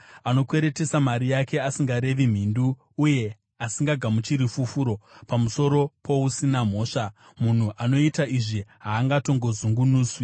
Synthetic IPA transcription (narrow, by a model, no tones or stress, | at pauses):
ano̞kwe̞ɾe̞te̞samaɾijake̞asiŋɡaɾe̞ʋim̤indu | uje̞ | asiŋɡaɡʱamut͡ʃiɾifufuɾo̞pamuso̞ɾo̞pʰo̞usinam̤o̞ːʂa | mun̤uʔano̞itaiʐiɦaːŋɡato̞ŋɡo̞zuŋɡunuːswi